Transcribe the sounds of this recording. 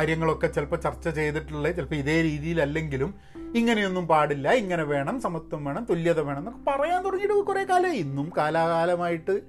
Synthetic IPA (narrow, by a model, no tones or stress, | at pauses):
aːɾjɐŋːɐɭo̞kːe̞t͡ɕelpɐt͡ɕɐrt͡ɕːɐt͡ɕe̞jt̪iʈːuɭːet͡ɕelpɐmiðe̞ːɾiːðijilɐlːe̞ŋɡilum | iŋːɐne̞jo̞nːumpaːɽilːɐiŋːɐneʋe̞ːɳɐmsɐmɐt̪ːɐmʋe̞ːɳɐmt̪oljɐðɐʋe̞ːɳɐmnokːepɐrɐjaːnt̪urɐɲːiʈːɨʋkureːkaːlɐinːumkaːlaːkaːlɐmaːjiʈːɨ